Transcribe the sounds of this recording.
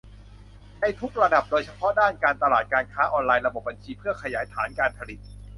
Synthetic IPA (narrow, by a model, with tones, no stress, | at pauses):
na˧jt̪ʰu˦˥k̚ɾa˧da˨˩p̚doː˧jt͡ɕʰa˧pʰɔ˦˥daː˥˩nkaː˧nt̪a˧laː˨˩t̪̚kaː˧nkʰaː˦˥ʔɔː˧nlaː˧jɾa˧bo˨˩p̚ba˧nt͡ɕʰiː˧pʰɯ˥˩ɐkʰa˧jaː˩˦jt̪ʰaː˩˦nkaː˧npʰa˧li˨˩t̪̚